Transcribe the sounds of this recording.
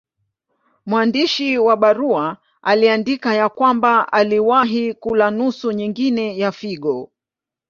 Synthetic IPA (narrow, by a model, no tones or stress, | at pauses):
mwandiʃiwaɓaɾua | aliandikajakwambaʔaliwaɦikulanusuɲiŋɡinɛjafiɠɔ